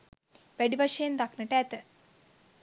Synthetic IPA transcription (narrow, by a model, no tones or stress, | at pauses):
ʋæɖiʋaʂɐjend̪aknəʈəæt̪ə